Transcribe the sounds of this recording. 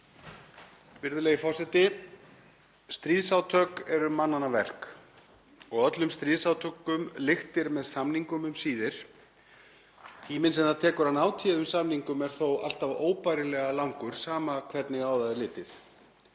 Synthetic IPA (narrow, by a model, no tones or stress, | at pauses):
vɪɾðʏleːjɣɪfɔr̥sɛt̪ɪ | st̪ɾiːðsawt̪ʰœːkɛɾʏmanːanavɛr̥k | ɔɣœt̪lʏmst̪ɾiːðsawt̪ʰœkʏmlɪxt̪ɪɾmɛðsamniŋkʏmʏmsiːðɪɾ̥ | t̪ʰiːmɪnsɛmθat̪ʰɛːkʏɾ̥hanːaːwt̪ʰiðʏ̥samniŋkʏmɛɾ̥θowa̰l̥t̪avoːwpajɾɪlɛːɣalawŋkʏɾ̥saːmakʰvɛt̪nɪɣaːwðaðɪlɪːt̪ɪθ